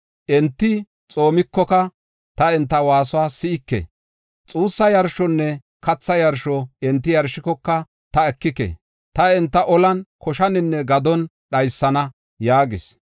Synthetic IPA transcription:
ʔɛnt̪ːɪ | t͡sʼo̞ːmɪkːɔkɐ | t̪ɐɛnt̪ːɐwaːsʊwaːsɪɪkːɛ̰ | t͡sʼuːsːɐjɐɾʃɔnːɛ | kɐt͡sːɐjɐɾʃɔɛnt̪ːɪjɐɾʃɪkɔkːɐ | t̪ɐɛkːɪkɛ̰ | t̪ɐɛnt̪ːɐʔɔlɐnkɔʃɐnɪnːɛɡɐd̪ɔn | ɗɐjsːɐnɐ | jaːɡɪs

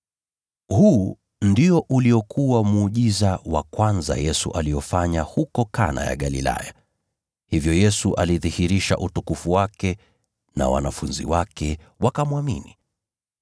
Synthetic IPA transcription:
huː | ndiɔʔuliɔkʰuwamuːʄizawa̰kwanza̰jɛsṵʔalijɔfaɲahukɔkana̰ja̰ɠalḭla̰ja | hivjɔjɛsuʔaliðihiɾiʃa̰ʔutukufuwakɛ | na̰wa̰nafunzḭwakɛ | wakamuamini

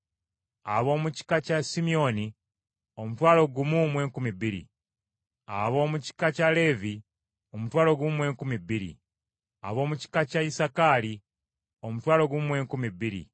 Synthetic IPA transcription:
aβo̞ːmuci̥kacasimio̞ni | omutwaːlo̞ɡumumwe̞ːŋkumibiɾḭ | a̰βo̞ːmuci̥kacale̞ːvi | o̞mutwaːlo̞ɡumwe̞ːŋkumibiɾḭ | a̰βo̞ːmuci̥kacaisakaːli | omutwaːlo̞ɡumwe̞ːŋkumibiɾḭ

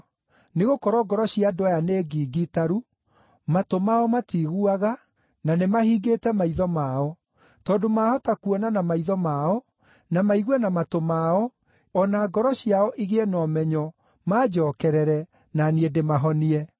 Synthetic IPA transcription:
neɣokɔɾɔɡɔɾɔɕiadɔjaneːɡiɡitaɾu | matomaɔmatiːɣuaɣa | nanemahiːɡeːtɛmaiðɔmaɔ | tɔːndomahɔtakuɔnanamaiðɔmaɔ | namaiɣwɛnamatomaɔ | ɔnaɡɔɾɔɕiaɔʔiɣɛnɔmɛɲɔ | mad͡ʒɔkɛɾɛɾɛ | naniedemaɦɔniɛ

